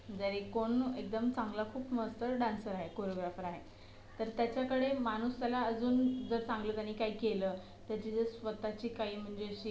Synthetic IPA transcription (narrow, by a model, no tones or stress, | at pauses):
d͡zəɾekoɳek̚d̪əmt͡sãŋɡlakʰuːpməst̪əɾɖãnsəɾaɦekoɾjoɡɾafəɾaɦe | t̪əɾt̪jat͡ɕjakəɽemañust̪alaəd͡zuːnd͡zəɾt͡sãŋɡlət̪aniːkaɦiːkeləː | t̪jaɾt͡ɕiːd͡zəsʋət̪at͡ɕiːkaɦiːm̤əɳd͡ʑeəɕiː